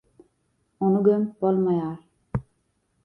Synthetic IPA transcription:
onuɡømbolˠmajɑːɾ

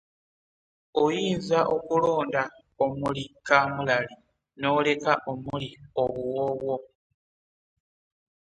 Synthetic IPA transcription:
ojiːzaʔo̞kulo̞ːnda | omulikaːmulali | no̞ːle̞kaʔo̞mulioβuwoβwo̞

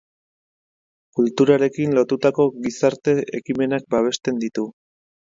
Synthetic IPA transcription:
kult̪uɾaɾe̞kinlo̞t̪ut̪ako̞ɣisaɾt̪e̞ʔekime̞nak̚baβ̞e̞ʃt̪e̞nd̪it̪u

